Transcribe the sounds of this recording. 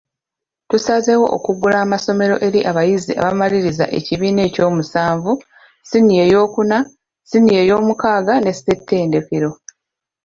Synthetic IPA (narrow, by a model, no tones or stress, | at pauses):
tusaze̞wo̞̰ʔo̰kuɡulaːmaso̞me̞ɾo̞̰ʔe̞ɾiʔaβajizḭʔa̰βamaliɾiza̰ʔe̞ciβiːne̞ːco̞ːmusaːɱvu | sinije̞ːjo̞ːkuna | sinije̞jo̞ːmukaːɡane̞setʰːe̞ːnde̞keɾo̞